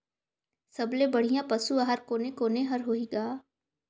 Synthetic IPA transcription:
sɐblebɐɽ̤ijãpɐsuaɦəɾkoːnekoːneɦɐɾɦoiɡaː

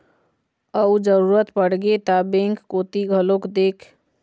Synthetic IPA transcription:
əud͡ʒəɾuɾət̪pəɽ̤ɡet̪abẽŋkːot̪iɡʱəlokd̪ekʰ

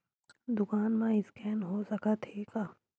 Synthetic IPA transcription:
d̪ʊkaːnmãɪskɛːnɦosɐkat̪ʰeːkaː

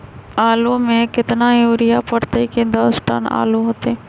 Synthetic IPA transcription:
aːlõmẽkɪt̪najoːɾɪjapəɽt̪eiked̪ɐsʈə̰na̰ːloɦoːt̪eɦɛ̃ː

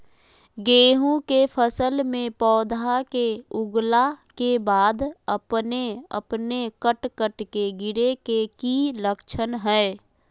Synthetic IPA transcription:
ɡeːɦũkepʰəsəlmẽpɔːd̪ʱakeʊɡlakebaːd̪əpneə̰pnekəʈkəʈkeɡɪɽekekiləkt͡ʃʰənɦɛː

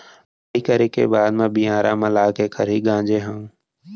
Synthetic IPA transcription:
əiːkəɾeːkḛːbaːd̪mẽbiãːɾaːməlaːkeːkʰəɾiːɡãːd͡ʒeːɦãː

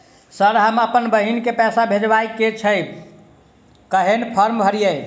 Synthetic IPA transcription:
səɾɦəməpənbəɦinkepɛsabʱed͡ʒbajket͡ʃʰəj | kəɦenpʰəɾmbʱəɾijə

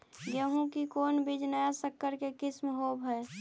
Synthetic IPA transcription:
ɡjəɦũkikoːnbid͡ʒnəjasəkːəɾkekɪsmɦoːbɦɛː

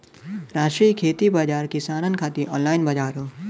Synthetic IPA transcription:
ɾaːʃʈɾiːkʰeːt̪ibaːd͡ʒaːɾkɪsaːɾənkʰaːt̪iʔɔːnlaːɪnbad͡ʒaːɾɦoː

